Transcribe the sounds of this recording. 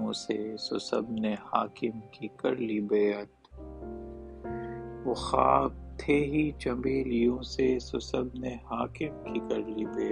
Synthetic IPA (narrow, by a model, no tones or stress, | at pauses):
õsesosɐ̰bnehaːkɪmkikɐɾlibeːət̪ | ʋoxa̰ːb̚t̪ʰeːɦit͡ʃɐmbeːlijõːsesosɐbnehaːkɪmkikɐɾlibeː